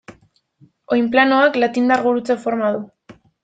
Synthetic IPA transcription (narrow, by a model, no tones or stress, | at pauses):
o̞jmplano̞aklat̪ind̪aɾɣuɾut͡se̞fo̞ɾmað̞u